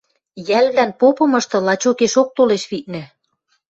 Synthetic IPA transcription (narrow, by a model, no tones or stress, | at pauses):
jælβlænpopɤ̆mɤ̆ʃt̪ɤ̆lɑt͡ɕokeʃok̚t̪oleʃβit̪̚nɘ̆